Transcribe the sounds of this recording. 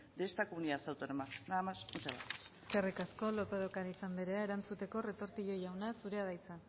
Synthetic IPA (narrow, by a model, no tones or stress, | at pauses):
d̪est̪akouniasawt̪onomanamasut͡ʃaβa̰tseskerikasko̞lo̞peð̞okaɾisand̪iɾeaeɾant͡sut̪e̞ko̞re̞t̪o̞ɾt̪iʎo̞ʝawnasuɾe̞að̞ajt͡sa